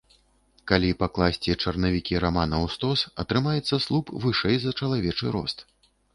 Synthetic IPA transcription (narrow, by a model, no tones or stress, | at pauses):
kalʲipaklˠasʲt͡sʲit͡ʂɐrnɐvʲikʲiɾamanɐwst̪ɔsɐt̪ɾɨmajɛt̪sːɐslˠupvɨʂɛjzɐt͡ʂɐlˠavʲɛt͡ʂɨɾɔ̰st̪